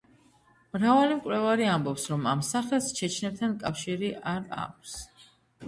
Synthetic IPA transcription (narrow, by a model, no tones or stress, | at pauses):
mɾavalimkʼlɛvaɾiambɔpsɾɔmamsaχɛlˠst͡ʃʰɛt͡ʃʰnɛp̚t̪ʰankʼafʃiɾiʔaɾa̰k̚ʷʰs